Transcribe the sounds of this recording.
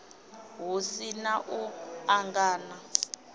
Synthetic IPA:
ɦusinaʔuaŋɡaːna

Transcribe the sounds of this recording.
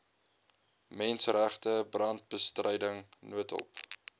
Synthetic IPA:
mɛnsræχtəbrɐnt̚bəstrəjdəŋnuətə̰lˠp

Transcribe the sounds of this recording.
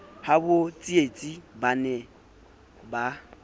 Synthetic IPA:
habʊt͡sʼiet͡sʼibanɛ | ba

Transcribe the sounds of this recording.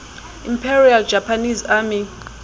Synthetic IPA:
ḭmpʰɛriald͡ʒ̥ʱapʰanizaːmi

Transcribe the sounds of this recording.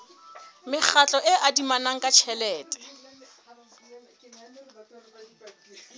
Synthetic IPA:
mɪk͡xʰat͡ɬʼɔʔɪʔadimanaŋ̩kʼat͡ʃʰɛlɛːtʼɛ̥

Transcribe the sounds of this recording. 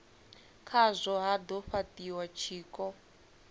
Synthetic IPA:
kʰazʷɔɦad̪ɔɸatiwat͡ʃʰiːkɔ

